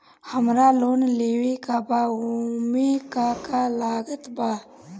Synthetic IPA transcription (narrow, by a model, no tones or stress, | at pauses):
həmɾaloːnleːwikabaumikakalaːɡət̪baː